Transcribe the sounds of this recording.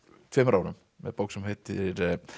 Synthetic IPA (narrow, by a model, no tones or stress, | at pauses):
t̪ʰvɛːmɾʔaːwɾʏm | mɛ̰ðpowksʏmhejt̪ɪɾ